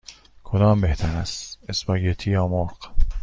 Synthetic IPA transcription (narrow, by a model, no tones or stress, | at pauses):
kʰod̪ɒːmbeht̪ʰæɾæst̪espɒːɡet̪ʰiːjɒːmoɾq